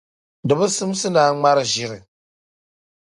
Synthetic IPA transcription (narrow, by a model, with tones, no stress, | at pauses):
dɨ˨bɨ˦sɨ˦m˦sɨ˦naː˦ŋ͡ma˦ɾɨ˦ʒɪ˦ɾɨ˨